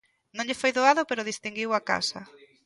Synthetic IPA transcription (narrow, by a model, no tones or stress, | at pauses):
nõŋɲʎefojðoaðʊpeɾʊð̞ist̪iŋɡiwaka̰sɐ̰